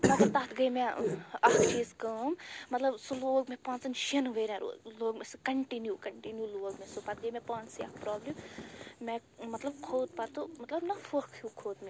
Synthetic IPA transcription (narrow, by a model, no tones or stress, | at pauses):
mɐt̪ɐt̪at̪ʰɡɐjmeɐkʈʰiːskɐmmɐt̪lɐbsoloːɡmepãːnt͡sɐnʃinʋəjɾẽɾṵloːɡmeskɐɳʈinjukɐɳʈinjuloːɡmesopat̪̚ɡɐjmepãːnsja̰kpɾɔːblimmemɐt̪lɐb̚kʰoːd̪̚pat̪umɐt̪lɐbnɐfohkʰjukʰoːd̪me